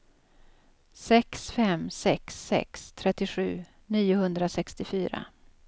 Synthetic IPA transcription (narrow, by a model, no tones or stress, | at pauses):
sɛksfɛmsɛksːɛ̰kst̪ʰɾɛt̪ːɪɧʉ̟̰ː | niːʊhɵnd̪ɾasɛkst̪ɪfyːɾa̰